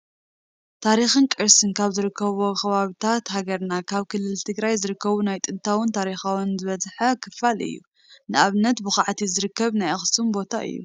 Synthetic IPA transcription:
t̪ʰaɾixɨnkʼɨɾsɨnkʰaβzɨɾɨkʰːɐβokɐβaβit̪ʰat̪ɦaɡɐɾnakʰaβkʰɨlːɨlt̪ʰɨɡɾajzɨɾɨkːɐβunajt̪ʼɨnt̪ʰawʊnt̪ʰaɾixawunzɨβɐzħɐkʰɨfalɨ̰jːṵ | nɨʔaβnɐt̪bɨxaʕt̪ʰizɨɾɨkʰːɐβnajaxsumbo̞t̪ʰaʔɨ̰jːṵ

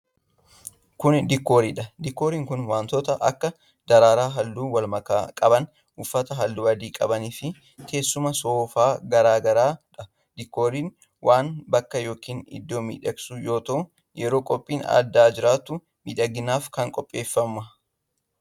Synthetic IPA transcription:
kʊnd̪ɪkːo̞ːɾiːᶑɐd̪ɪkːo̞ːɾiːŋkʊnwaːnt̪ɔt̪ɐʔɐ̰kːɐ | d̪ɐɾaːɾaːɦɐlːuːwɐlmɐka̰ːkʼɐbɐn | ʊfːɐt̪ɐɦɐlːuːɐd̪iːkʼɐbɐniːfɪ | ke̞ːsːʊmɐsoːfaːɡɐɾaːɡɐɾaːᶑɐ | d̪̥ɪkːo̞ːɾiːn | wʔaːnbɐkːɐjo̞ːkiːnɪ̰d̪ːo̞ːmḭːᶑɐɡsʊjo̞ːt̪ɐʔʊ | jɛɾo̞ːkʼɔpʼːiːnɐ̰d̪ːaːd͡ʒɪɾaːt̪ːʊ | mḭᶑɐɡɪnaːfkɐŋkʼɔpʼːe̞ːfːɐmːɐ

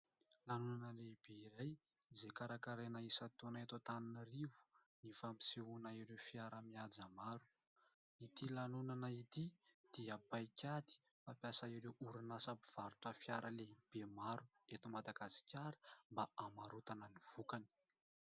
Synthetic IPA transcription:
lanunanəlebeiɾaj | izekaɾakaɾenaisat̪onaet̪ot̪aninərivu̥nifampi̥seunaiɾefjaɾəmiad͡zamaɾu | it̪ilanunanait̪id̪̥iəbajkʲad̪i̥ | fapjasaiɾewʔuɾinasapiv̥aɾuʈ͡ʂəfjaɾʔəleb̥emaɾu | et̪umad̪aɡasi̥kʲaɾə̥mbaamaɾut̪anəniv̥ukani̥

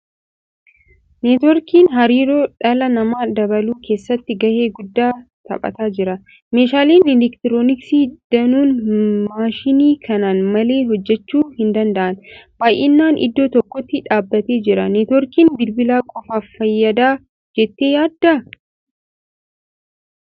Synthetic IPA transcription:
neːt̪ɔɾkiːnɦɐɾiːɾoːᶑɐlɐnɐmaːd̪ɐβɐluːkʰe̞ːsːɐt̪ːɪɡɐhe̞ːɡʊd̪ːaː | t̪ɐ̰pʼɐ̰t̪aːd͡ʒɪɾɐ | meːʃaːliːnɪlɛkt̪ɪɾoːnɪksiːd̪̥ɐnuːnmaːʃɪniːkʰɐnaːnmɐle̞ːɦɔd͡ʒːɛt͡ʃːuːhɪnd̪ɐnd̪ɐʔɐnb̥aːjʔḛːnːaːnʔɪ̰d̪ːoːt̪ɔkːɔt̪ːɪᶑaːbːɐt̪e̞ːd͡ʒɪɾɐneːt̪ɔɾkiːnbɪlbɪlaːkʼɔfaːffɐjːɐd̪aː | d͡ʒɛt̪ːe̞ːjaːd̪ːɐ

